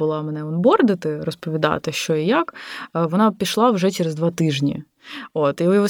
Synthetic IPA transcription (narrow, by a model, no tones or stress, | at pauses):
ʊlˠɑmɛnɛʊnbɔrd̪ɪt̪ɪrɔspɔʋʲid̪ɑ̰t̪ɪʃt͡ʃɔijakʋɔnɑpʲiʃlˠɑwʒɛt͡ʃeɾezd̪ʋɑt̪ɪʒnʲḭ | ot̪iʊjɦɔ